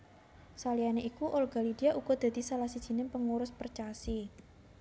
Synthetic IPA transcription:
salianeʔikuʔɔlɡ̥a̤lidiaʔuɡɔd̪̥a̤d̪̥isalahsid̥ʒ̥i̤nɪŋpəŋuɾʊspərt͡ʃasi

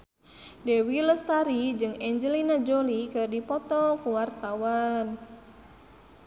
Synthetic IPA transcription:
dɛwiləst̪aɾid͡ʒɨŋɛɲd͡ʒɛlinad͡ʒolikɨrdipɔt̪ɔkuwart̪awan

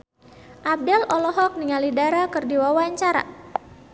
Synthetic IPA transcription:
ʔab̚dɛlɔlɔɦɔk̚niŋalidaɾakɨrdiwawaɲt͡ʃaɾa̰

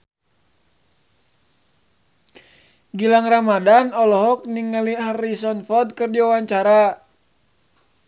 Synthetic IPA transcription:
ɡilaŋramadanɔlɔɦɔk̚niŋəliɦarisɔnfɔd̪̚kərd͡ʒawawaɲt͡ʃaɾa

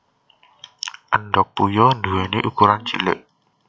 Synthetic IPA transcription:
ʔənɖɔk̚pujɔnd̪uwɛneʔukuɾant͡ʃḭlɪ̰ʔ

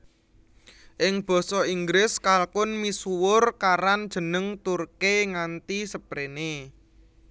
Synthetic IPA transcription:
ʔɪŋb̥ɔ̤sɔiŋɡɾɪskalkʊnmisuwʊrkaɾand̥ʒ̥ə̤nəŋt̪urkeŋant̪isəb̥ɾene

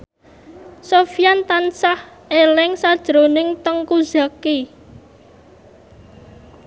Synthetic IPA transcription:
sofijant̪ansah | ʔelɪŋsad̥ʒ̥ɾonɪŋt̪əŋkuz̥aki

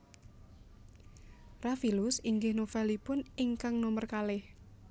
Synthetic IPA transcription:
rafilʊsiŋɡɪhnofɛlipʊniŋkaŋnomərkalɪh

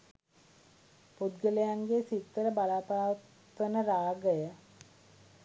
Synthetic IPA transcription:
pud̪ɡəlejaŋɡesit̪ːəɾəbalaːpaːʋt̪ | ʋənəɾaːɡəjə

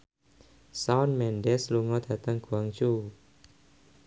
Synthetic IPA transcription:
sawnmɛndesluŋɔt̪ʰat̪aŋkʰuaŋt͡ɕʰu

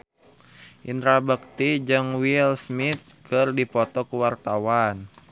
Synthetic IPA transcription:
ʔint̪ɾabək̚t̪id͡ʒɨŋwilsmit̪̚kɨrdipɔt̪ɔkəwart̪awan

